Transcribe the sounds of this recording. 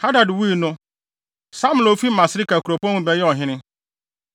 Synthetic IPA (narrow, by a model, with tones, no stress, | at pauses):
ha˦da˨dwi˦˨nʊ̃˦ | sa˦mu˨o˨˦fi˦mã˨sɪ˦ɾi˦ka˨ku˨ɾo˨pu˦ã˦ũ˦bɛ˦jɛ˦ɔ˨ɦɪ̃˦nɪ̃˦